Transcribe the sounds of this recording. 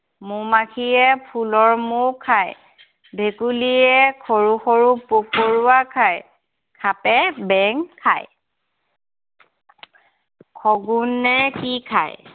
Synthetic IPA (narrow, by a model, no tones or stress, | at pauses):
mumakʰiɛpʰulɔɹmukʰaj | bʱekuliɛkʰoɹuxoɹupokoɹuakʰaj | kʰapɛbɛŋkʰa̰j | kʰɔɡunːɛkikʰa̰j